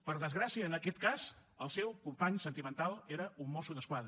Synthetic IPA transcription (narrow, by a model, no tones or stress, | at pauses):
pəɾðəzɣɾasiəːnəkɛt̪kazəlˠsɛwkumpaɲsənt̪imənt̪alˠeɾəumːɔsuðəskwaðɾə